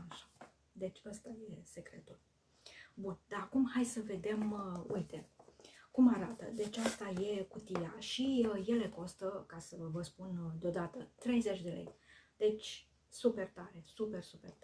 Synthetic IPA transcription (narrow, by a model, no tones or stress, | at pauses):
aʃḁ | d̪e̞t͡ʃʲast̪aje̞se̞kɾe̞̰t̪ul | bund̪̥aakumhajsəve̞d̪e̞mṵjt̪e̞kumaɾat̪ə̰d̪e̞t͡ʃʲast̪aje̞kut̪ija̰ʃije̞le̞ko̞st̪əkasəvəspund̪eod̪at̪ət̪ɾe̞jze̞t͡ʃʲd̪e̞lḛjd̪̥e̞t͡ʃʲ | supe̞rt̪aɾe̞supe̞rsupe̞̰rt̪